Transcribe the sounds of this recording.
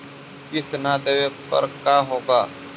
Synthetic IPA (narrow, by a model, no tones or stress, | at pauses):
kɪsnaːd̪eʋepə̰ɾkaːɦoːɡaː